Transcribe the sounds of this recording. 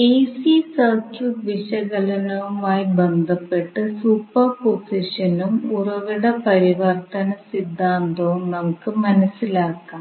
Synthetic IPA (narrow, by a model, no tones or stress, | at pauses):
ejsisɐrt͡ɕuʋiʂɐɣɡɐlɐnɐʋumaːjibend̪ʱɐpːe̞ʈːɨsupːɐrposiʂɐnumurɐʋiɽepɐɾiʋɐrt̪ɐnɐsid̪ʱːaːnd̪oːnɐmukːɨmɐnɐsːilaːkːaː